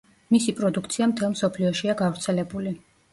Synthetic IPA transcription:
misipʼɾɔd̪uk̚ʰt̪sʰiamt̪ʰɛlˠmsɔpʰliɔʃiaɡavɾt̪sʰɛlɛbuli

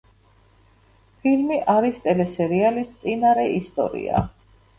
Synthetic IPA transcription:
pʰilmiʔaɾist̪ʼɛlɛsɛɾialist̪sʼinaɾɛist̪ʼɔ̰ɾḭa̰

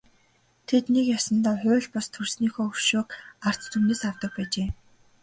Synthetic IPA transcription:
t̪ʰet̪nekjasə̆nt̪aːħʊːɮpʊst̪ʰursniːxoːɵrʃoːkar̥t͡st̪ʰumneːsawt̪ə̆k̚pæːt͡ɕeː

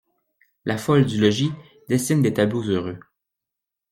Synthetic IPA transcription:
lʔafɔld̪ylɔʒi | d̪esind̪et̪ablozøʁø

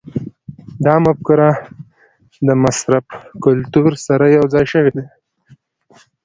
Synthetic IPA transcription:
d̪ɑmʊb̚kʊɾɑ | d̪əmasɾafkʊlt̪uɾsaɾajawd͡zɑjʃəwed̪e

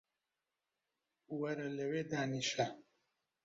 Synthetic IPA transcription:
wɐɾɐlɐweːd̪aːniʃa

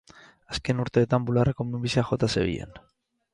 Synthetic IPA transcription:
aske̞nuɾt̪e̞ːt̪ambularekomimbisiaxo̞t̪aseβḭʎḛn

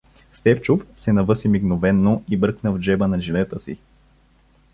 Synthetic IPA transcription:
st̪ɛft͡ʃufsɛnɐvɤsimiɡnovɛnːoibɾɤknəvd͡ʒɛbənɐʒivɛt̪əsḭ

